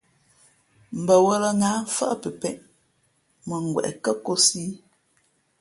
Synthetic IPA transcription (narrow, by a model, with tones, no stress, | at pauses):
m̩˨bə˨wə˦lə˦ŋaː˨˦fə̰˦ʔpə˨pɛ˨ʔ | mə˨ŋ̩˨ɡwɛ̰˨ʔɛ̰˨kə˦ko˦siː˦